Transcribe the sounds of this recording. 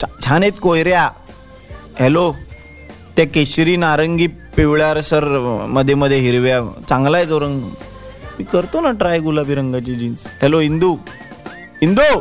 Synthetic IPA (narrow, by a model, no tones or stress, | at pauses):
t͡ɕʰanet̪kojɾja | ɦelo | t̪jakeɕɾiːnaɾəŋɡiːpiʋɭjaɾsəɾməd̪ʱːjeməd̪ʱːjeɦiɾʋjat͡sãŋɡlajt͡soɾəŋɡ | mikəɾt̪onaʈɾajɡulabiɾəŋɡat͡ɕid͡ʑiːnsɦɛloɦind̪u | ɦind̪u